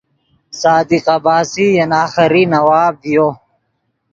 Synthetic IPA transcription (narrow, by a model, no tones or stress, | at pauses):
saːd̪iqɐbaːsijɐnaːxɐɾinɐwaːb̪̚ijoː